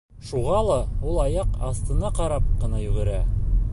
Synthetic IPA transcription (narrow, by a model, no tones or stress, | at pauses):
ʃuʁɑlˠɑulˠɑjɑqɑst̪ɤ̆nɑqɑɾɑp̚qɤ̆nɑjɵ̆ɡɘ̆ɾæ